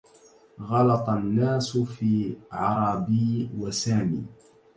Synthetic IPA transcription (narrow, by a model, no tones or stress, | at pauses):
ɣɑlɑt̪ˤɑnːaːsʊfiːʕɑɾˤɑːbiːwasaːmḭː